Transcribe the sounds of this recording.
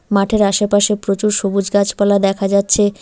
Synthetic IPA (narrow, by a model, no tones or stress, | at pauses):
maʈʰeɾaʃepaʃepɾot͡ɕuɾʃobud͡ʑɡat͡ɕpalad̪ɛkʰad͡ʑatːɕʰe